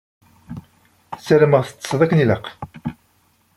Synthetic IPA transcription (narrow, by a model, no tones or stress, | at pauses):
sæləməʁθə̥t͡sːə̥sðˤækːəniləq